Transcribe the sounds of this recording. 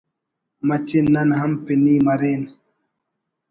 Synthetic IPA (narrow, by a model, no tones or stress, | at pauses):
mɐt͡ʃinnːɐnɦɐmpiniːmɐɾeːn